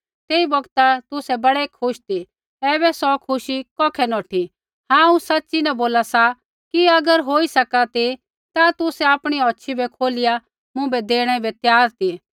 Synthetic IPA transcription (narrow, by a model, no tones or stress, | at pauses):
t̪eːibɔɡt̪at̪ʊsɛbɐɽɛkʰʊʃt̪ʰi | ɛːbɛsɔkʰʊʃikɔːkʰɛnɔːʈʰi | hãːũsɐtːt͡ʃinɐboːlasa | kiɐɡəɾɦoːisɐkat̪i | t̪at̪ʊsɛaːpɽ̃iɔːtːʃʰibɛkʰoːlɪja | mʊ̃bɛd̪eːɽ̃ɛbɛt̪jaːɾt̪i